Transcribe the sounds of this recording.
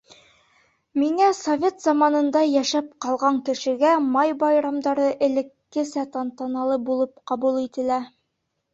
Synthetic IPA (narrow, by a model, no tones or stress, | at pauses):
miŋæsovʲe̞t̪zɑmɑnɤ̆nd̪ɑjæʃæp̚qɑlˠʁɑŋkɘ̆ʃɘ̆ɡæmɑjbɑjɾɑmd̪ɑɾɤʔɘ̆lɘ̆kːɘsæt̪ɑnt̪ɑnɑlˠɤbulˠɤp̚qɑβulˠit̪ɘ̆læ